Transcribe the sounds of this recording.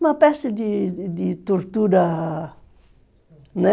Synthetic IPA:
mɐpɛsɪd̪ɪd̪ɪt̪oɾt̪uɾɐ | nɛ

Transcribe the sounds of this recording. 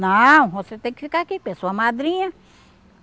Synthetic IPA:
nɐ̃w̃voset̪ẽj̃kɪ̥fikaakikẽsoɐmad̪ɾĩɲɐ

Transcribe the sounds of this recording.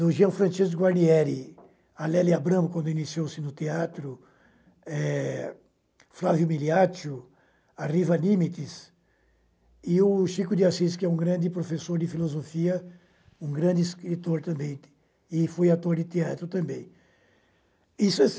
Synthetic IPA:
ʊʒiɐ̃fɾɐ̃t͡ʃis̬kʊɡwaɾniɛɾɪ | alɛlɪabɾɐ̃mʊkwɐ̃nd̪ʊinisiowsɪnʊt̪eat̪ɾʊ | ɛ | flavjʊmiliat͡ʃʊ | arivɐnĩmit̪ɪs | ɪʊʃikʊd̪iasiskɪɛũɡɾɐ̃nd̪ɪpɾofesoɾd̪ɪfilozofiɐ | ũɡɾɐ̃d̪ɪiskɾit̪oɾt̪ɐ̃mbẽj̃ | ɪfojat̪oɾd̪ɪt̪eat̪ɾʊt̪ɐ̃mbẽj̃ | isʊɛ

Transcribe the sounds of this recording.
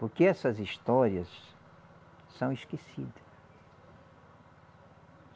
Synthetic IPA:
poɾkeɛsɐziʃt̪ɔɾiɐs | sɐ̃w̃iskesid̪ɐs

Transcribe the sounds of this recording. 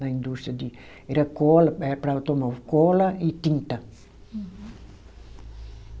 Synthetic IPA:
nɐĩnd̪ust̪ɾiɐd̪i | ɛɾɐkɔlɐɛpɾawt̪omɔvkɔlɐit̪ĩnt̪ɐ

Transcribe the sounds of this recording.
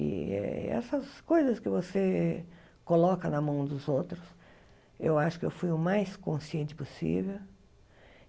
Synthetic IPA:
ɪ̰ɛ̰ɛ̰sɐskojzɐskɪvose | kolɔkɐnɐmɐ̃w̃d̪ʊzowt̪ɾʊs | ḛwaʃʊ̥kɪewfujʊmajskõsiẽnt͡ʃ̪ɪ̥posḭvew

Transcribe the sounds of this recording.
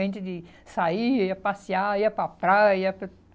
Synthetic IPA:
ẽnt͡ʃ̪ɪd̪ɪ | saiɐiɐpasiaiɐpɾɐpɾajiɐpɾɐ

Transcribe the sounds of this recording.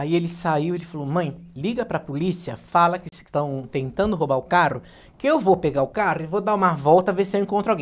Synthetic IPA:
aielɪsaiwelɪfalomɐ̃j̃liɡɐpɾɐpolisiɐ̰falɐkɪst̪ɐ̃w̃t̪ẽnt̪ɐ̃nd̪ʊɦobaʊkarʊ | kɪewvopeɡaʊkaɾʊɪvod̪aɾũmɐvɔwt̪ɐveɾsɪewẽŋkõnt̪ɾʊawɡẽ

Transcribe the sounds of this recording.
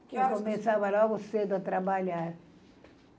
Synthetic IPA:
kekomesavɐlɔɡʊsed̪ʊɐt̪ɾabaʎaɾ

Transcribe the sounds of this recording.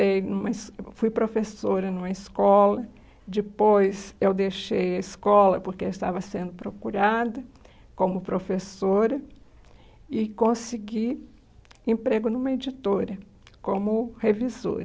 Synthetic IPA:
ejnũmɐsfujpɾofesoɾɐnũmɐɪskɔlɐ | d͡ʒɪpojzewd̪ejʃejɐiskɔlɐpoɾkeist̪avɐsẽnd̪ʊpɾokuɾad̪ɐ | kõmʊpɾofesoɾɐ | ɪkõsiɡi | ẽpɾeɡʊnũmɐed͡ʒit̪oɾɐ | kõmʊhevizo̰ɾɐ

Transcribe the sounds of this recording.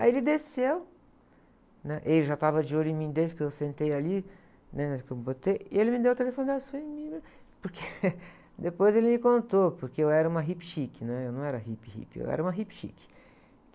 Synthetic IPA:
aelɪd̪esew | nɛʔelɪʒat̪avɐd͡ʒɪolʊẽmĩd̪esɪkɪewsẽnt̪ejali | nɛɛkebot̪ejɪelɪmɪd̪ewt̪elefõnd̪asuemĩɡɐ | poɾkʰe | d̪epojzelɪmɪkõnt̪opoɾkeewɛɾɐũmɐɦipʃikɪnɛ̃ewnɐ̃w̃ɛɾɐɦipɪhḭpḛwɛ̰ɾɐũmɐɦipʃḭkɪ̥

